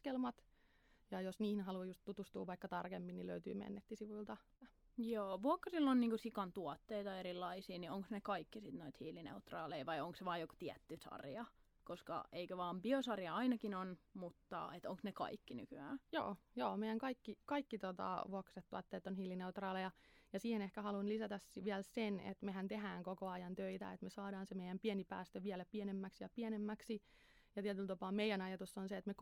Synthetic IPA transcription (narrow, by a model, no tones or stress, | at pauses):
skelmɑt̪ | jɑjosniːhinhɑlujust̪t̪ut̪ust̪uːʋʋɑikːɑt̪ɑrkemːinilø̰yt̪y̰ːmḛnːet̪ːisiʋuilt̪ɑ | joːʋuokːɑrilːonniːŋkusikɑnt̪uɔt̪ːeit̪ɑeɾilːɑisiːnioŋksnekɑikːisit̪noit̪hiːlinḛut̪rɑːleiʋɑioŋkseʋɑːjoko̥t̪iæt̪ːysɑ̰rjɑ | koskɑ̰eikøʋɑːmbiosɑrjɑɑinɑkinonmut̪ːɑ̰et̪oŋksnekɑ̰ikːiny̰kyæːjo̰ːjoːmeijæŋkɑikːikɑikːit̪ot̪ɑ̰ʋuokset̪ːuɑt̪ːeːet̪ːonhilːineut̪rɑːlejɑjɑsiːhenehkæhɑlunlisæt̪æsʋiɛlsenḛt̪meɦænt̪eɦæːŋkokoɑjɑnt̪øit̪æ̰et̪mesɑːdɑːnsemejæmpienipæ̰ːst̪øʋiælæpiɛnemːæksjɑpiɛnemːæksi | jɑt̪iɛt̪ylt̪ɑpɑːmmeijænɑjɑt̪usːonseet̪me